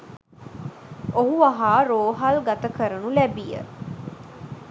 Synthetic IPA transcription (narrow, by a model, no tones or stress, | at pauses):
oɦuaɦaːɾoːɦalɡɐt̪əkʰəɾənũlɛbijə̰